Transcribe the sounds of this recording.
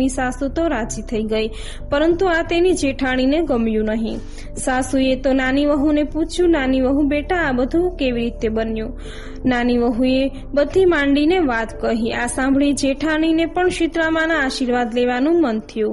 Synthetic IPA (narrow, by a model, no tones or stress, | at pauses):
isasut̪oɾad͡ʒit̪ʰəiɡəj | pəɾənt̪uat̪enid͡ʒeʈʰaɽ̃ineɡəmjũnəɦĩ | sasuet̪onaniʋəɦuneput͡ʃʰjũnaniʋəɦũbeʈaːbəd̪ʱũkeʋiɾit̪ebənjũ | naniʋəɦũe | bəd̪ʱimãɳɖineʋat̪kəɦiasãmbʱɭid͡ʒeʈʰaɽ̃inepəɳʃit̪ɾamãnãːʃiɾʋad̪leʋanũmənt̪ʰijũ